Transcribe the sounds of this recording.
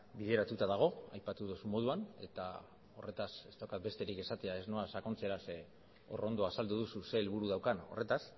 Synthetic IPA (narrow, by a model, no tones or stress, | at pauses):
biðe̞ɾat̪ut̪aðaɣ̞o̞ajpat̪uðusumo̞ð̞uane̞t̪a | o̞̰re̞t̪ase̞st̪awkat̪be̞st̪e̞ɾike̞sat̪e̞ae̞zno̞asako̞nt͡se̞ɾase | o̞̰ro̞nd̪o̞asald̪uðususe̞lβuɾuð̞awkano̞̰re̞t̪as